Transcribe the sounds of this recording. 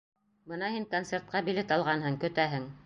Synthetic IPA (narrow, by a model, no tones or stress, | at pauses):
bɤnɑhiŋkont̪sert̪̚qɑbilɘt̪ɑlˠʁɑnhɤŋkɵ̆t̪æɦɘŋ